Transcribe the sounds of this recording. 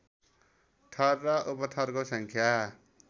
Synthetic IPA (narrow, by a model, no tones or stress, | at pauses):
ʈʰʌrːʌʔupʌt̪ʰʌrkosʌŋkʰja